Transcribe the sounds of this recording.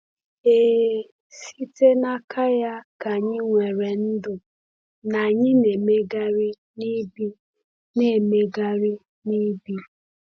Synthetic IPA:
e˨ | si˦te˦na˦kʰa˦ja˦ka˨ɲɪ˦ŋʷe˨ɾe˨n̩˦dʊ˨ | na˨ɲɪ˦ne˨me˦ɡa˦ɾi˦ | ni˦bi˦ | ne˦˨me˦ɡa˦ɾi˦ | ni˦bi˦

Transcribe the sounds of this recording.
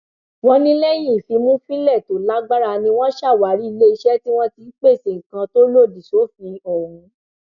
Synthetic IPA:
wɔ̃˧˦nĩ˦lɛ˦jĩ˦˨fi˨˧˦mũ˦fĩ˦lɛ˦˨to˨˦la˦ɡ͡ba˦ɾa˧nĩ˧w̃ɔ̃˦ʃa˦˨wa˨˦ɾi˦i˧le˦i˧ʃɛ˦ti˦w̃ɔ̃˦ti˧˦k͡pe˦˨se˨ŋ̩˨kã˧to˦lo˦˨di˨so˨˦fĩ˧o˨ɾũ˨˦

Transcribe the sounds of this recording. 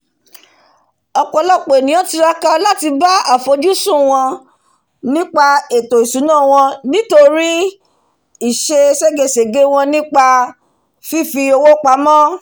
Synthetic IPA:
ɔ˧k͡pɔ˨˧˦lɔ˦˨k͡po˨e˨nĩ˨ã˦ti˧ɾa˦ka˧la˦ti˧ba˦a˨fo˨˧d͡ʒu˦sũ˦˨w̃ɔ̃˧ | nĩ˦k͡pa˧e˨to˨i˨su˨˦nãː˦˨w̃ɔ̃˧nĩ˦to˧ɾi˦ | i˦˨ʃe˧se˦ɡe˧˨se˨ɡe˨˦w̃ɔ̃˧nĩ˦k͡pa˧ | fi˦fi˧o˧wo˦k͡pa˨˦mɔ̃˦

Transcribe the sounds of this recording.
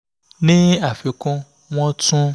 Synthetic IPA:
nĩ˦a˨fe˨kɔ̃˦ | w̃ɔ̃˦tũ˦

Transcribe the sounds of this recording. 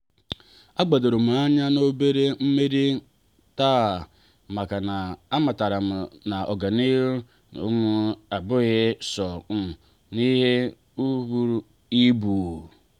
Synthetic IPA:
a˦ɡ͡ba˨do˨ɾo˨m̩˨a˦ɲa˦no˦be˦ɾe˦m̩˦me˦ɾi˦ | ta˦˨ | ma˨ka˨na˨a˦ma˨ta˨ɾa˨mʊ˨na˨ɔ˨ɡa˨ni˦u˦ | o̰˦ŋu˦a˨bʊ˦ɣɪ˦sɔ˨m̩˨ | ni˦ɦe˦ | u˦βu˦ɾu˦ | i˦bu˨

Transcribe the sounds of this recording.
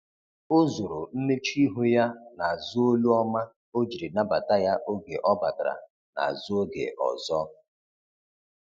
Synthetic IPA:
o˦zo˨ɾo˨n̩˦me˦t͡ʃi˦ɦu˦ja˦na˨a˨zʊ˦o˦lu˦ɔ˦ma˦ | o˦d͡ʒi˨ɾi˨na˦ba˨ta˦ja˦ʔo˦ɡḛ˨ʔɔ˦ba˨dɾa̰˨ | na̰˨zʊ˦o˦ɡḛ˨ʔɔ̰˨zɔ˦

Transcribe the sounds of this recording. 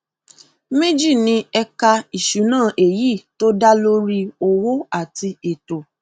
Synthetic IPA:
mẽ˦d͡ʒi˦˨nĩ˧ɛ˧ka˧i˨ʃu˨˦nãː˦˨ʔe˨ji˦˨to˦da˦lo˦ɾi˦o˧wo˦a˦˨ti˧e˨to˨

